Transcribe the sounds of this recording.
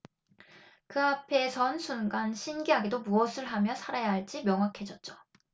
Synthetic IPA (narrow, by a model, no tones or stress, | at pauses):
kɯapʰe̞sʰʌnsʰunɡanɕʰinɡiɦaɡedomuʌsʰɯɭɦamjʌsʰaɾajaɦaɭt͡ɕ͈imjʌŋɦakʰe̞d͡ʑʌt̚t͡ɕ͈o̥